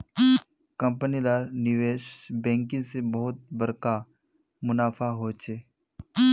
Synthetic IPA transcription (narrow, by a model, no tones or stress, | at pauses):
kə̃mpənilaɾnɪʋeːʃbɛ̃ːŋkɪ̃sebəɦʊt̪̚bəɾka | mʊnaːfʰaɦoːt͡ʃʰeː